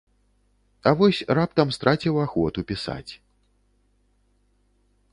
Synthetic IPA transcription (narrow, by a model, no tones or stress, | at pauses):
ɐvɔsʲrap̚t̪ɐmst̪ɾʔat͡sʲiwaxɔt̪upʲisa̰t͡sʲ